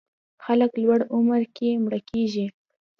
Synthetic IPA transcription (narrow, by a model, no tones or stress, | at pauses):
xaləklwaɽʊməɾkemɽakeʒi